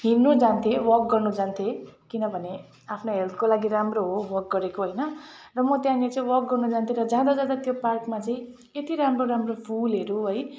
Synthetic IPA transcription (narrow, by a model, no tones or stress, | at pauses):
ɦinːud͡zant̪ʰewʌrk̚ɡʌrnud͡zant̪ʰekinʌbʱʌne | apʰnoɦelt̪ʰkolaɡiramroɦowʌrk̚ɡʌɾekoɦʌjnʌrʌmʌt̪jãnet͡sʌĩwʌrk̚ɡʌrnud͡zant̪ʰeɾʌd͡zjad̪ad͡zad̪at̪joparkmat͡saĩ | et̪iɾamroɾamropʰulɦeɾuɦʌj